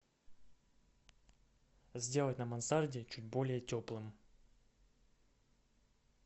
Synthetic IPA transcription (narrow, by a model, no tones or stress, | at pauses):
zʲdʲe̞lˠətʲnəmɐnsardʲɪt͡ɕut̚ʲbo̞lʲɪjətʲo̞plˠɨm